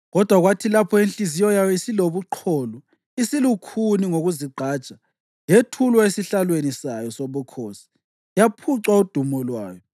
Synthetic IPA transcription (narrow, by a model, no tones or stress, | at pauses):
ɣɔd̥ʱwaɣwatʰilapʰɔinɬizijɔjajɔisiloβuǃʰɔːlɔ | isilukʰuniŋoɣuziɡ͡ǃʱaːt͡ʃʼa | jetʰulwaesiɬalwenisajɔsoβukʰoːsi̥ | japʰuǀwaud̥ʱumɔlwa̰ːjɔ